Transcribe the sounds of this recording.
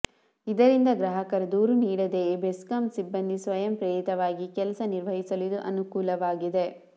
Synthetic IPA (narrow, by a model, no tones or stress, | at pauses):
id̪ɐɾind̪ɐɡɾɐɦɐkɐɾɐd̪uːɾuniːɽɐd̪ebeskɐmsibːɐnd̪ʱisʋɐjɐmpɾeːɾit̪ɐʋaːɡikɛlɐsɐniɾʋɐɦisɐlid̪uʔɐnukuːlɐʋaːɡid̪e̞